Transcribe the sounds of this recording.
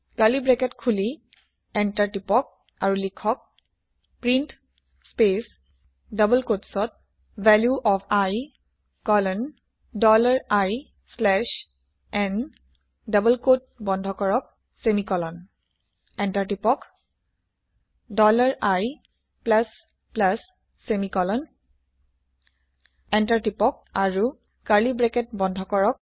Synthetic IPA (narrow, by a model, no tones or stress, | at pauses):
kalibɹɛkɛtkʰuli | ɛntaɹʈipɔk̚ | aɹulikʰɔk̚ | pɹint | spes | dʌbəlkotsɔt̚ | vɛljuʔɔpʰaj | kɔlɔn | dɔlaɹaj | slɛʃ | ɛn | dʌbəlkot̚bɔndʱɔkɔɹɔk̚ | semikɔlɔn | ɛntaɹtipɔk | dɔlaɹaj | plas | plasː | emikɔlɔn | ɛntaɹtipɔk̚aɹu | kaɹlibɹɛkɛt̚bɔndʱɔkɔɹɔk̚